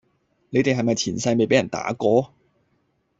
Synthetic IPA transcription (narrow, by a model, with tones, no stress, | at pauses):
ne˨˧jt̪e˨jɦɐ˨jmɐ˨jt͡sʰiː˨˩nsɐ˧jme˨jpe˨˥jɐ˨˩nt̪a̰ː˨˥kɔː˧